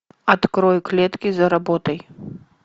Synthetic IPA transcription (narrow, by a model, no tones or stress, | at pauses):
at̪kɾɔjklʲɛt̪kʲizɐɾabɔt̪ɐj